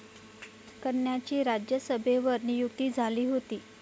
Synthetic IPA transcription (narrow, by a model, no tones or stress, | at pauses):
kəɳjat͡ɕiːɾad͡ʑjəsəbʱeʋəɾnijukt̪iːd͡zʱaliːɦot̪iː